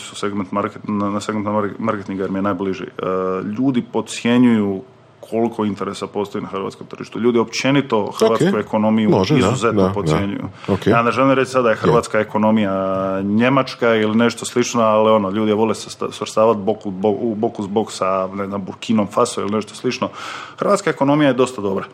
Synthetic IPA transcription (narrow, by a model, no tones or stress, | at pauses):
suseɡment̪maɾknaseɡment̪maɾket̪iŋɡajeɾmijenaːjbliʒḭʎuːd̪ipo̞t̪sjeɲuju | kʰo̞likʰo̞int̪e̞ɾesapo̞st̪oinaxr̩ʋa̰t̪komt̪r̩ʒ̥ḭʃt̪uʎuːd̪io̞pt͡ʃe̞nit̪o̞xrʋaːkkuekʰo̞no̞mijuʒizuzet̪nopot̪ʲjeɲṵjṵokead̪aʒelimɾet͡ʃ̪isad̪d̪ajexrrʋaːt̪skaeko̞no̞mijaɲemat͡ʃkailine̞ʃt̪oslit͡ʃnoalio̞noʎuːd̪ijeʋo̞lessʋɾst̪aːʋat̪bokubobokuzboɡsaneznambuɾkinomfasoḭlineʃt̪oslit͡ʃno̞xrɾʋaːt̪skaeko̞no̞mijaje̞d̪o̞st̪ad̪o̞bɾa